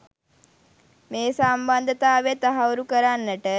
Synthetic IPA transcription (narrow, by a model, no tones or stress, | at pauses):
meːsamband̪ət̪aːʋet̪aɦawuɾukəɾanːəʈə